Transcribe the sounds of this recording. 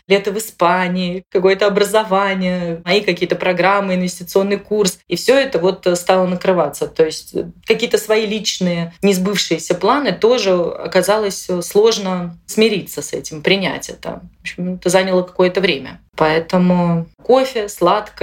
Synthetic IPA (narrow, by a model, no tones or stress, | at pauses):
lʲet̪əvɨspanʲɪɪkɐko̞jət̪əɐbɾəzɐvanʲɪjəmɐikɐkʲijət̪əpɾɐɡɾamːɨɪnvʲɪsʲtʲɪt̪sɨo̞nːɨjkursifsʲoɛt̪əvo̞t̪st̪alˠənəkɾɨvat̪sːət̪ojɪsʲtʲkɐkʲijət̪əsvɐilʲit͡ɕnɨjənʲɪzbɨfʂɨjɪsʲəplˠanɨt̪o̞ʐɨɐ̰kɐzalˠəsʲslˠo̞ʐnəsmʲɪɾʲit̪səsɛ̰tʲɪmpɾʲɪnʲæ̰tʲɛ̰t̪ə̰vopɕɪmɛt̪əzanʲɪlˠəkɐ̥ko̞jət̪əvɾʲemʲə̰pɐɛt̪əmʊko̞fʲɪslˠat̪kə